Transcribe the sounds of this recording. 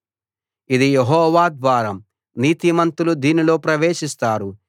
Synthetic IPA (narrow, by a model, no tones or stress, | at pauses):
id̪ijeɦɔːʋaːd̪ʋaːɾɐm | niːt̪imɐnt̪ulud̪iːnilo̞ːpɾɐʋeːʃist̪aːɾu